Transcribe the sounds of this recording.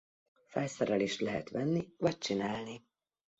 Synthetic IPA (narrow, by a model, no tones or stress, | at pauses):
fɛjsɒɾɒliʃt̪lɛɦɛ̰t̪ʋɛnːivɒc̚t͡ʃinaːlni